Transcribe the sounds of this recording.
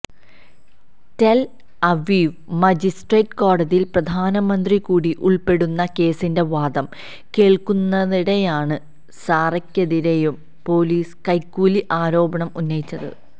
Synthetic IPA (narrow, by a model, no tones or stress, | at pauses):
tel | ɐʋiːʋmɐd͡ʑisʈreːʈko̞ːɽɐðilprɐd̪ʱaːnɐmɐnd̪rikuːɽiʔuɭpe̞ɽunːɐke̞ːsinde̞ʋaːd̪ɐm | ke̞ːɭkunːɐðiɽejaːɳɨ | saːrɐkʲːɐðiɾejum | po̞ːliːskɐjkːuːliʔaːɾo̞ːbɐɳɐmunːɐjit͡ɕːɐðɨ̰